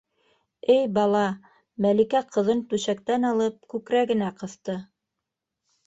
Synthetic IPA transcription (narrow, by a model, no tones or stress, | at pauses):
ɘjbɑlˠɑ | mælikæqɤ̆ðɤnt̪ʉʃæk̚t̪ænɑlˠɤp̚kʉkɾæɡɘ̆næqɤ̆θt̪ɤ